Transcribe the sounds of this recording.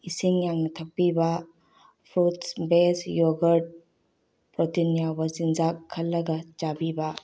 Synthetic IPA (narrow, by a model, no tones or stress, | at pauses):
isiŋjaŋnɐtʰɐpːibɐ | pʰɾutsbesjɔɡɐɾɖ̚ | pɾɔtinjabɐzinzakʰːɐlːɐɡɐt͡ʃabibɐ